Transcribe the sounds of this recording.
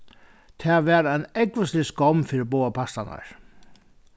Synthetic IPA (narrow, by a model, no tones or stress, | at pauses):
t̪ʰɛːʋɛːɾajnɛkvəslɪskɔmfɪːɾɪboːapʰast̪ana̰ɹ̥